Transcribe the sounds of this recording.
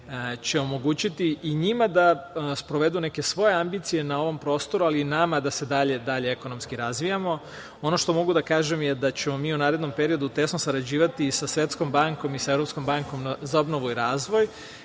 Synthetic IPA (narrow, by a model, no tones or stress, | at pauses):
t͡ɕe̞o̞mo̞ɡuːt͡ɕit̪iːɲimad̪aspɾo̞ʋe̞d̪une̞ke̞sʋo̞je̞ambiːt̪sije̞nao̞ʋo̞mpɾo̞ːst̪o̞ɾualiːnamad̪ase̞d̪aʎe̞d̪aʎe̞e̞ko̞no̞mskiɾazʋijamo̞ | o̞no̞ʃt̪o̞mo̞ɡud̪akaːʒe̞mjed̪at͡ɕe̞mo̞miːunaːɾed̪no̞mpe̞ɾio̞d̪ut̪e̞snosaɾad͡ʑiːʋat̪isasʋʲe̞t̪sko̞mbaŋko̞misae̞vɾo̞psko̞mbaŋko̞mnzao̞bno̞ʋuiɾaːzʋo̞j